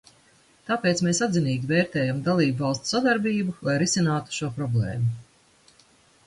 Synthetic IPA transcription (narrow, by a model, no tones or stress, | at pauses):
t̪aːpeːt̪smeːsad̪zʲiniːɡʲiveːɾt̪ɛːjamd̪alˠiːbvɑlˠst̪sad̪aɾbiːbulˠajɾisinaːt̪u̥ʃuɔpɾɔblḛːmu